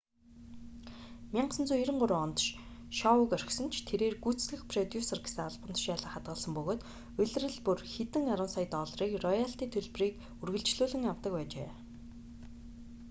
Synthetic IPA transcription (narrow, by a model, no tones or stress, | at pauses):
mʲaɴɢsə̆nt͡suːjiɾɘ̆ɴɢʊɾʊːɔnt̪ʃʃɔʊkœr̆ʲxsɵ̆nt͡ɕʰt̪ʰeɾeːrɡut͡ssɮɘ̆xpʰrɔt̪juːserɡe̥seːaɮpə̆nt̪ʃjaːɮə̆χat̪̚ɢə̆ɮsə̆mpɵɣoːt̪ | ɵɮ̆ʲrɘ̆ɮpurxet̪ɘ̆ŋaɾə̆nsajt̪ɔːɮriːkrɔjaɬt̪iːt̪ʰɵɮpriːk | urɣɘ̆ɮt͡ɕɮuːɮɘ̆ŋjawt̪ə̆k̚pæːt͡ɕḛː